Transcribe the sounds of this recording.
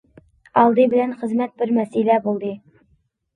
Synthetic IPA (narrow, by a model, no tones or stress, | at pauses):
ɑlˠd̪ɨbɪ̆lænχə̆zmæt̪̚bɪɾmæsilæbulˠd̪ɤ